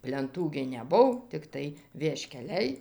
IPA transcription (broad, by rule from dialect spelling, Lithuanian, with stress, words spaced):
pʲlʲɛnˈtuː ɡʲɪ nʲɛˈbʊw tʲɪkˈtɐɪ ʋʲiɛʃʲkʲɛˈlʲɛɪ